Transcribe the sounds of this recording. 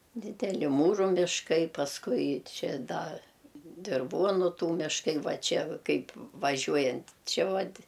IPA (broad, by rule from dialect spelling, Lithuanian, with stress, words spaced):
dʲɪdʲɛˈlʲɪ ˈmuːruː mʲɪʃˈkɐɪ pɐsˈkʊɪ ˈt͡ʃʲɛ ˈdɐ dʲɪrˈʋuɔnʊ ˈtuː mʲɪʃˈkɐɪ ˈʋɐ ˈt͡ʃʲɛ ˈkɐɪp ʋɐˈʒʲuɔjɛnʲtʲ ˈt͡ʃʲɪ ˈʋɐtʲ